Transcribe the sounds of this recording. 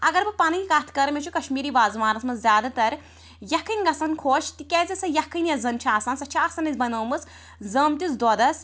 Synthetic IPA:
ɐɡɐɾbɨpaːniikat̪ʰkɐɾmʲet͡ʃʰukɐʃmiːɾiːbaːzmaːɾɐsmɐzzʲjaːd̪at̪ɐɾ | jɐkʰːɨŋɡɐsankʰoːʃt̪ikʲezɐsɐjɐkʰːɐnjɐzɐnt͡ʃʰaːsaːnsɐt͡ʃʰaːsɐnɐzbɐnəːmɨt͡s | zɐːmt̪isd̪ɔd̪ɐs

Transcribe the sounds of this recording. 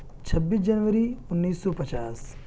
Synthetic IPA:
t͡ʃʰɐbːiːsd͡ʒɐnʋəɾiʊnːiːsːɔːpɐt͡ʃaːs

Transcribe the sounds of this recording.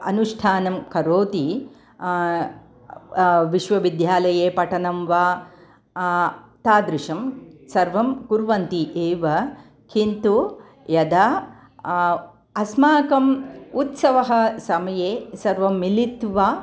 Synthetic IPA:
ɐ̰nuʂʈʰaːnɐmkɐɾoːt̪i | ʋiʃʋɐʋid̪ʱjaːlɐjeːpɐʈʰɐnɐmʋaː | t̪aːd̪ɾɪʃɐmsɐɾʋɐmkuɾʋɐnt̪iʔeːʋɐ | kʰint̪u | jɐd̪a | ɐsmaːkɐmut̪sɐʋɐɦɐ̆sɐmɐjeːsɐɾʋɐmːilit̪ʋaː

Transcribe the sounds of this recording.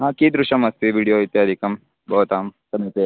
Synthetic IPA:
ɦãːkiːd̪ɾuʃɐmɐst̪iʋiːɽijoːit̪eɐd̪ʱikɐm | bɔːt̪aːmsɐmit̪e

